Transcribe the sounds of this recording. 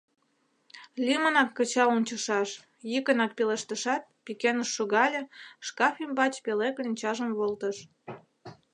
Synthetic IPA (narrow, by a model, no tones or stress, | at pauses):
lʲimənɑkːət͡ɕɑunʲt͡ɕəʃɑʃ | jikənɑk̚peleʃt̪əʃɑt̪̚pikenəʃːuɣɑlʲeʃkɑfʲimbɑt͡ɕpeleklʲinʲt͡ɕɑʒəmβolt̪əʃ